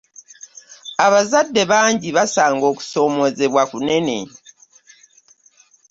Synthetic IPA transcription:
aβazadːe̞βaːɲɟiβasaːŋɡo̞ːku̥so̞ːmo̞ze̞βwakune̞ne̞̰

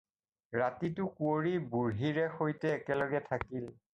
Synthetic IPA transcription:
ɹatitʊkuoɹibuɹɦiɹɛxojtɛːkɛlɔɡɛtʰakil

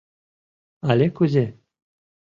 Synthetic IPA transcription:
alʲekuzʲe

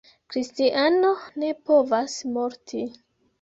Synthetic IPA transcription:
kɾistiʔano̞ne̞po̞vasmo̞ɾtʰi

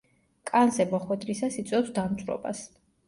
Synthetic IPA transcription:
kʼanzɛmɔχwɛd̪ɾisasit̪sʼɛpsd̪amt̪sʼɾɔ̰ba̰s

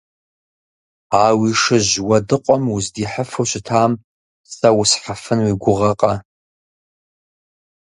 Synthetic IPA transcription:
aːwiʂɨʑwɐdɨqʷʼɔmuzdiːħəfowɕɪtʰaːm | sɐwʊsħafɨnwiɡʷʊʁɐqʼɐ

